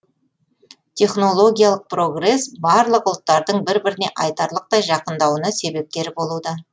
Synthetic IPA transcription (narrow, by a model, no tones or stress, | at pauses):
t̪ʲʰe̞χno̞lˠo̞ɡʲijalˠəq̚pro̞ɡre̞sbɑɾlˠəqʊlˠt̪ːɑɾd̪əɴbɪɾbɪɾɪne̞ʔɑjt̪ɑɾlˠəq̚t̪ɑjʒɑqənd̪ɑwənəse̞be̞p̚t̪e̞ɾbo̞lˠud̪ə